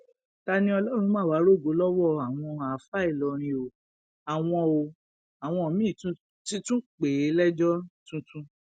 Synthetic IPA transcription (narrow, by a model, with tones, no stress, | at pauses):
ta˧nĩ˧˦ɔ˧lɔ˦ɾ̃ũ˧˦mãː˦˨wa˨˦ɾo˦˨ɡo˨˦lɔ˦wɔ˦˨a˨w̃ɔ̃˧a˨˦fa˦i˦˨lɔ˨˧ɾ̃ĩ˧o˧ | a˨w̃ɔ̃˧o˧ | a˨w̃ɔ̃˧o˨mĩ˦˨tũ˦ | ti˦tũ˦k͡pe˨˦lɛ˦d͡ʒɔ˦tũ˦tũ˦